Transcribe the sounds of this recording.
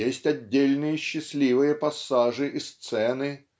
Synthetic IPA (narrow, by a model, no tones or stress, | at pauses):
esʲtʲɐdʲːelʲnɨjəɕːɪsʲlʲivɨjəpɐsːaʐɨʔist̪sɛnɨ